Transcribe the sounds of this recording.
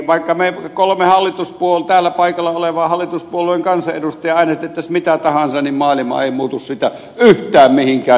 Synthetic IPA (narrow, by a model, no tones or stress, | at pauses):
ʋɑˑikːɑmekolomehɑlːit̪uspuolt̪æːlːæpɑˑikɑlːɑoleʋɑːhɑlːˑit̪uspuolˑoeŋkɑnsɑʔʔeɾust̪ˑɑjɑɑˑinɑsit̪ːˑet̪ːæsmit̪æt̪ɑhɑnsɑnimmɑːlimɑ̰eˑimuːt̪ussit̪æ | yht̪ˑæːmmihiŋkæː